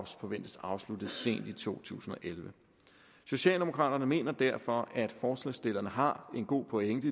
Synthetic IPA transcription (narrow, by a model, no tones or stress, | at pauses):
sfɒ̽ʋen̰d̥əsɑ̈ʊslud̥ð̩ˠse̝̰ːnd̥it͡sʰo̝̰ːt͡sʰṵːsn̩ɒ̽ʔelʋə | so̝ɕɛ̰ːld̥e̝mo̝kʰʁɑ̰̈ːd̥ɐnəme̝̰ːnɐd̥æɐfɒ̽ʔæd̥fɒːslɛ̰ːsd̥e̝l̰ɐnəɦɑ̈e̝nɡ̥o̝̰ːpʰɔ̽eŋ̰̥ə